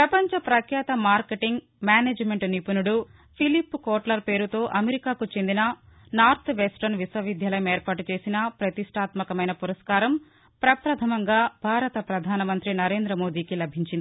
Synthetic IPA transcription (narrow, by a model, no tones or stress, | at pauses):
pɾɐpɐɲt͡ʃɐpɾɐkʰjaːt̪ɐmaːɾkeʈiŋɡ | mjaːneːd͡ʒmeɳʈnipunuɽu | pʰilipːukoːʈlɐɾpe̞ːɾut̪o̞ːʔɐmeɾikaːkut͡ʃe̞nd̪inɐnaːɾt̪ʰʋesʈɐɾnʋiswɐʋid̪ʱjɐlɐjɐmeːɾpaːʈut͡ʃe̞ːsinɐpɾɐt̪iʂʈʰaːt̪mɐkɐmɐjnɐpuɾɐskaːɾɐm | pɾɐpɾɐt̪ʰɐmɐŋɡaːbʱaːɾɐt̪ɐpɾɐd̪ʱaːnɐmɐnt̪ɾinɐɾe̞ːnd̪ɾɐmoːd̪iːkilɐbʱiɲt͡ʃind̪ii